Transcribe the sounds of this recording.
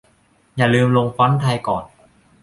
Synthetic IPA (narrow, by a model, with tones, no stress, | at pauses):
jaː˨˩lɯː˧mlo˧ŋfa˦˥nt̪ʰaː˧jkɔː˨˩n